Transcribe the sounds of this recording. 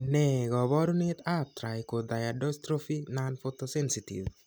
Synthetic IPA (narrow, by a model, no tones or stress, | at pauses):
nɛɡɔbɔɾunit̪ap̚tɾajkod̪ajadɔstɾofinanfot̪osɛnsitḭv